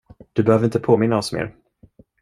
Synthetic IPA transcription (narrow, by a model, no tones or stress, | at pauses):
d̪̥ɵbɛhøːvəɾɪnt̪əpʰoːmɪnːaɔsmḛːɾ